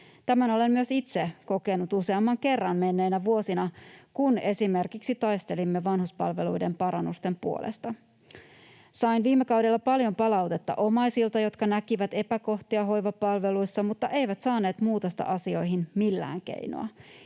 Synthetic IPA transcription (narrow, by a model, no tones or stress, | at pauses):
t̪æmæno̞le̞nmyøsit̪seko̞ke̞nut̪use̞ɑmːɑŋke̞rːɑnme̞nːe̞ːnæʋuo̞sinɑkune̞sime̞rkiksit̪ɑjst̪e̞limːeʋɑnhuspɑ̰lʋe̞lujde̞mpɑɾɑnːust̪e̞mpṵolʔḛst̪ɑ | sɑinʋiːmːekɑuwdelːɑpɑljo̞mpɑlɑwt̪e̞t̪ːɑ̰ʔo̞mɑjsilt̪ɑjo̞t̪kɑnækiʋæt̪e̞pæko̞ht̪iɑɦo̞jʋɑpɑlʋe̞lujsːɑmut̪ːɑʔe̞jʋæt̪sɑːne̞ːt̪muːt̪ost̪ɑ̰ʔɑsio̞jɦinmilːæ̰ːŋk̟ḛjno̰ɑ̰